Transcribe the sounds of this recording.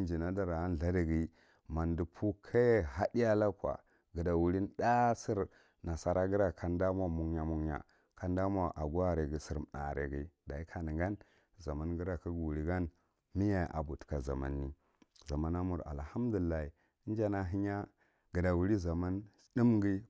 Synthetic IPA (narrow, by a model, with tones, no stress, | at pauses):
nd͡ʒi˨na˦da˨ɾa˨a˦n˦˨a˦di˨ɡi˦ | ma˨ndi˨pʰu˦kʰa˦˨ɦa˦di˦a˦la˦kwa̰˨ | ɡə˨da˨wu˨li˦n˦da˦si˦ɾ | na˨sa˨ɾa˦ɡi˦ɾa˦˨kʰa˨˦nda˦ma˨mu˦ŋ˦ja˨mu˦ŋja̰˨ | ka˦nda˦ma˨ʔa˨ɡu˦a˦ɾi˨ɡi˨si˨ɾm˨na̰˨ɾḛ˨ɡi˨da˨i˦kʰa˨ni˨ŋɡa˦n | za˨ma˦nɡi˦ɾa˨ki˦ɡu˨ɾi˨ɡa˦n | mi˦ja˨ʔa̰˨bu˨tka˨za̰˨ma̰˦nːi˦ | za˨ma˦na˦mu˨ɾa̰˨lha˦m˦du˨i˨lːa˦i˨˦ | n˦d͡ʒa˦na˨ɦi˦ɲa˦ | ɡ̥ə˨da˨wu˨ɾi˦za˨ma˦n | di˦mɡi˦